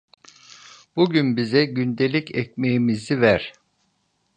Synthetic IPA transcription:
b̥uɟynbizɛɟynd̪elʲicʰɛcmejimizivæɾ̥

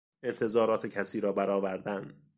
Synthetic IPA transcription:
e̞nt̪ʰe̞zɒːɾɒːt̪ʰecʰæsiːɾɒːbæɾɒːvæɾd̪ænd̪

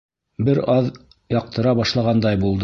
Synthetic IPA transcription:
bɘɾɑð | jɑq̚t̪ɤ̆ɾɑβɑʃlˠɑʁɑnd̪ɑjbulˠd̪

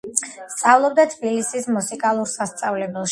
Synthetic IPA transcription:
st̪sʼavlˠɔb̚d̪at̪ʰbilisismusikʼalˠuɾsast̪sʼavlɛbɛlˠʃ

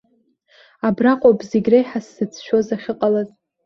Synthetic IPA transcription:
abraqʷʼobʼzeɡʲrajħasːɨt͡sʰʃozaχʲɪqʼalazʼ

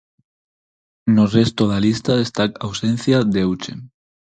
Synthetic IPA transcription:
norest̪oðalist̪aðest̪akawsẽn̟θjad̪ewt͡ʃḛn

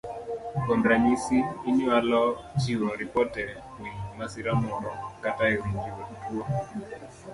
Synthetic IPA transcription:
kɔndɾamisiːɲɔalɔt͡ʃiwɔɾipɔtɛ | wimasiɾamɔɾɔkataiɾiɲd͡ʒiɾɔtutʰua

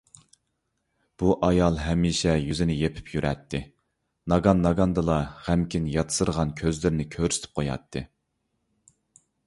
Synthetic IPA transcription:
b̥uʔɑjɑlˠɦɛmːiʃɛjyzɪnɪjepʰy̥pʰjyɾɛ̰t̪ʰːɪ | nɑɡɑnːɑɡɑnd̪ɨlˠɑʁæmkʲinjɑt̪ʰɨ̥sɨɾəʁɑnkʲʰøzlɪɾnɪkʲʰøɾsɪ̥t̪ʰɪ̥p̚qʰojɑ̰t̪ʰːɨ

